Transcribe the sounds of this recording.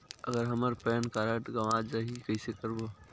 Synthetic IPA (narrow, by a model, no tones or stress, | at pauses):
ə̰ɡəɾɦɐməɾpɛːnkaːɾəʈɡɐʋaːd͡ʒaɦikəisekəɾbo